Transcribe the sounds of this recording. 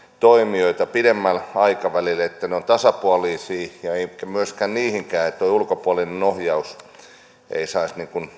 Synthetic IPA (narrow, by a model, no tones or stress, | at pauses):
t̪oimioit̪ɑpidemːælɑikɑʋælilet̪ːæneont̪ɑsɑpuɑliːsiːjɑeikæmyøskæːnniːhiŋkæːet̪ːˑoiulkopuɑlinenohjɑus | ḛisɑisniŋkun